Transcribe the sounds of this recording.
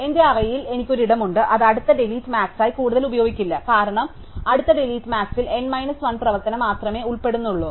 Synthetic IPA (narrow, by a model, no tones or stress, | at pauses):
e̞nde̞ɐrɐjile̞nikʲːo̞ɾuiɽɐmuɳɖɨʔɐðɐɽut̪ːɐɖeliːtːɨmaːksaːjikuːɽuðɐlubɐjo̞ːɡikʲːilːɐkaːɾɐɳɐm | ɐɽut̪ːɐɖeliːtːɨmaːksile̞nmɐjnɐsʋɐnprɐʋɐt̪ːɐnɐmaːt̪rɐme̞ːuɭpe̞ɽunːuɭːoː